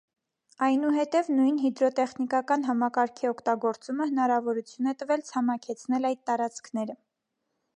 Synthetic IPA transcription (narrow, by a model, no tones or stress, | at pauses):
ɑjnuɦɛt̪ɛvnujnɦid̪ɾɔt̪ɛχnikɑkɑnɦɑmɑkɑɾkʰiɔkʰt̪ɑɡɔɾt͡suməhənɑɾɑvɔɾut͡sʰjunɛt̪əvɛlt͡sʰɑmɑkʰɛt͡sʰnɛlɑjd̪̚t̪ɑɾɑt͡skʰnɛɾə